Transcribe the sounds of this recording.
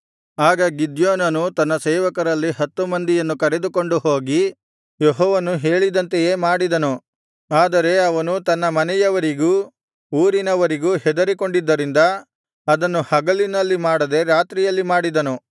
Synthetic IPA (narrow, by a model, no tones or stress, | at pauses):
aːɡɐɡid̪joːnɐnut̪ɐnːɐsɛːʋɐkɐɾɐlːiɦɐt̪ːumɐnd̪ijɐnːukɐɾe̞d̪uko̞ɳɖuɦoːɡi | jeɦɔːʋɐnuɦe̞ːɭid̪ɐnt̪ejeːmaːɽid̪ɐnu | aːd̪ɐɾe̞ɐʋɐnut̪ɐnːɐmɐnɛjɐʋɐɾiɡuː | uːɾinɐʋɐɾiɡuːɦɛd̪ɐɾiko̞ɳɖid̪ːɐɾind̪ɐ | ɐd̪ɐnːuhɐɡɐlinɐlːimaːɽɐd̪e̞ɾaːt̪ɾijɐlːimaːɽid̪ɐnu